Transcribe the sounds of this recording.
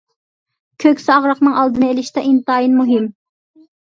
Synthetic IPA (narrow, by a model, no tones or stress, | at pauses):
kʲʰøkʲsɪɑʁɾɑqnɨŋɑlˠd̪ɨnɨelɪʃt̪ɛʔint̪ɑːjinmuɦɪm